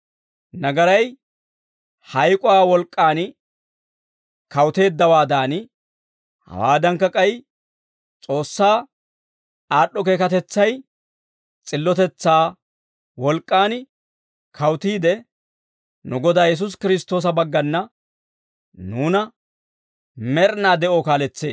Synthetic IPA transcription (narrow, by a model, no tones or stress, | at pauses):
nɐɡɐɾɐj | hɐjkʼʊwaːwɔlkʼːaːn | kɐwt̪e̞ːd̪ːɐwaːd̪aːn | hɐ̰waːd̪ɐŋkːɐkʼɐj | t͡sʼo̞ːsːaː | aːɗːɔke̞ːkɐt̪ɛt͡sːɐj | t͡sʼɪlːɔt̪ɛt͡sːaː | wɔlkʼːaːn | kʰɐwt̪iːd̪ɛ | nʊɡɔd̪aːjɛs̬ʊs̬kɪɾɪst̪ːo̞ːs̬ɐbɐɡːɐnːɐ | nuːnɐ | mɛɾnaːd̪ɛʔoːkaːlɛt͡sːe̞ːs